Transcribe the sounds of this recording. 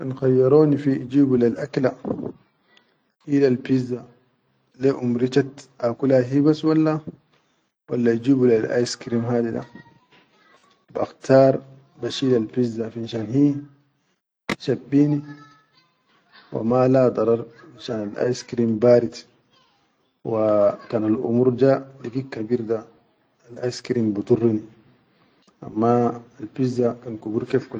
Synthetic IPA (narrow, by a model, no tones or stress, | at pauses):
nxajːɑɾˤoːnifiʔid͡ʒiːblalʔakla | ʔilalpizːa | leʔumɾit͡ʃat̪ʔakulaɦibasːwalːa | walːaid͡ʒiːblalʔa̰ːjskɾiːmɦaːd̪id̪a̰ | bʔa̰xt̪ʰɑːɾˤ | baʃilalpizːafinʃaːnhiː | ʃabːiːni | wa̰malad̪ˤɑɾˤɑɾˤanʃaːnalʔa̰jskɾimbaːɾit̪ | wakaːnalʔṵmuːɾd͡ʒadiɡikːabiːɾd̪aː | lʔajskɾimbit̪urˤːini | ʔa̰mːaːlpizːakankubuɾkeːfku